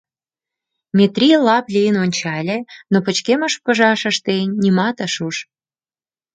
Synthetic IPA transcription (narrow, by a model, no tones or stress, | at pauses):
mʲet̪rʲilɑplʲejənonʲt͡ɕɑlʲenopə̆t͡ɕkeməʃpə̆ʒɑʃə̆ʃt̪enʲːimɑt̪əʃuʃ